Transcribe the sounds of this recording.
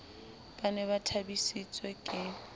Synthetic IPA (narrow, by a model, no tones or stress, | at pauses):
b̥anɛbatʰabisit͡sʼwɛkʼɪ